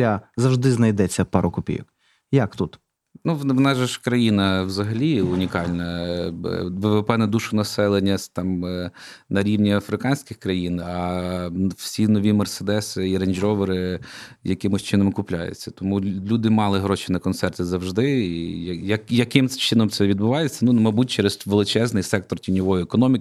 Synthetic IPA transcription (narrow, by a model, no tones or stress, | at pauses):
azɐwʒd̪ɪznɐjd̪ɛt͡sʲːɐpɑɾʊkʊpʲḭjɔk | jakt̪ut̪ | nuʋʋnɛʒɛʃkɾɐjinɐwzɐɦɐlʲiʊnʲikɑlʲnɐ | ʋeʋepɛnɛd̪uʃʊnɐsɛlˠenʲːɐst̪ɑm | nɐɾʲiwnʲiɐfɾɪkɑnʲsʲkʲɪxkɾɐjinɐ | wsʲinɔʋʲimɐrsed̪ɛsɪiɾɐnʲd͡ʒɔʋeɾɪjɐkɪmʊsʲt͡ʃɪnɔmkʊplʲa̰jʊ̰t͡sʲːɐ̥t̪ɔmulʲud̪ɪmɑlˠɪɦɾɔʃinɐkɔnt̪sɛrt̪ɪzɐwʒd̪ɪijɐjɐkjɐkɪmt͡ʃɪnɔmt̪sɛʋʲid̪̚bʊʋɑjet͡sʲːɐnumɐjbutʲt͡ʃɛɾɛzʋelˠɪt͡ʃɛznɪjsɛk̚t̪ɔrtʲinʲɔʋɔjʊekɔnɔmʲk